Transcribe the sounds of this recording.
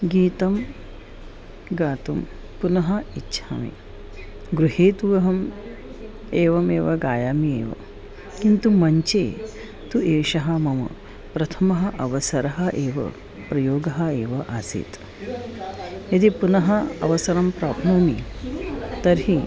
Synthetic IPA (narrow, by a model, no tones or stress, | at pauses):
ɡiːt̪ɐm | ɡaːt̪um | punɐɦɐitːʃʰaːmḭ | ɡɾuɦeːt̪uʋɐɦɐm | eːʋɐmeːʋɐɡaːjaːmiḛːʋɐ̰ | kint̪umɐɲt͡ʃeː | t̪ueːʃɐɦɐmɐmɐ̰ | pɾɐt̪ʰɐmɐɦɐʔɐʋɐsɐɾɐɦɐʔeːʋɐ̰ | pɾɐjoːɡɐɦɐeːʋɐʔasḭːt̪ | ɐd̪ipunɐɦɐɐ̰ʋɐsɐɾɐmpɾaːpnuːmi | t̪ɐɾɦi